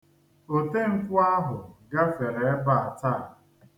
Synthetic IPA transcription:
o˨te˦ŋ̩˨kʊ˦a˦ɦʊ˨ɡa˦fe˨ɾe˨˦ba˨a˨ta˦˨

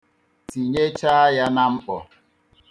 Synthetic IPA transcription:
ti˨ɲe˦t͡ʃa˦ja˦na˦m̩˦k͡pɔ̰˨

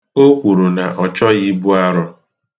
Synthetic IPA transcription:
o˦kʷu˨ɾu˨na˨ʔɔ˨t͡ʃɔ˦ji˦bu˦a˦ɾʊ˦

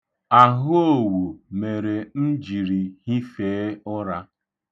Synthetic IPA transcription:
a˨ɦʊ˦o˦˨wo˨me˨ɾe˨m̩˦d͡ʒi˨ɾi˨hi˦feː˨˦ʊ˦ɾa˦

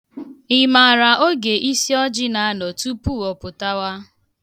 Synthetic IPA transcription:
ɪ˨ma˨a˨ɾa˨ʔo˦ɡe˨ʔi˦si˦ɔ˦d͡ʒɪ˦na˨a˦nɔ˨tu˦pu˦˨ɔ˨pʊ˨ta˦wa˦

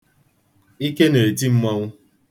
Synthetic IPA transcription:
i˦ke˦ne˨ti˦m̩˦ma˦ŋʊ˦

